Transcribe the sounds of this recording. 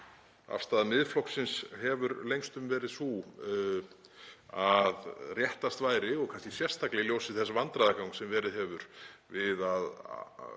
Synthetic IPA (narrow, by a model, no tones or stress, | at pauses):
a̰fst̪aːðmɪðflɔwksɪnshɛvʏɾlejŋst̪ʏmvɛːɾɪðsu | aðrjɛht̪ast̪vaːjɾɪɔɣkʰanscɪsjɛrst̪ʰaklɪljowsɪθɛs̬ːavant̪ɾaðakawŋksɛmvɛːɾɪðɦɛvʏɾvɪðað